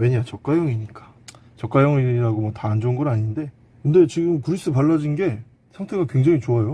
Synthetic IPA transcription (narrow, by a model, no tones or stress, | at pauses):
we̞ɲat͡ɕʌk̚k͈ajʌŋiɲik͈ḁ | t͡ɕʌk͈ajʌŋiɾaɡomwʌtaːnd͡ʑounɡʌɾaɲinde̞ | kɯnde̞t͡ɕiɡɯmkɯɾis͈ɯpaɭːad͡ʑinɡe̞ | sʰaŋtʰe̞ɡakwe̞ŋd͡ʑaŋit͡ɕoajo